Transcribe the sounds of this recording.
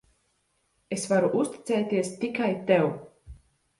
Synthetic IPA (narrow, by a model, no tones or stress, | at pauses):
esvaɾuʔust̪ʲi̥t̪sɛːt̪ʲiɛst̪ikajt̪ɛw